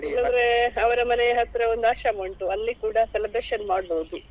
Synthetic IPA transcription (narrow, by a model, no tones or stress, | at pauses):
lɐɾeɐʋɐɾɐmɐnejɐɦɐt̪ːɾɐond̪aːʃɐmoɳʈuɐlːikuːɽɐselɐbɾeːʃɐnmaːɽboːd̪u